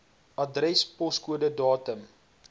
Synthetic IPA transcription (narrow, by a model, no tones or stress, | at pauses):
ɐdrɛspɔskuədədɑːtəm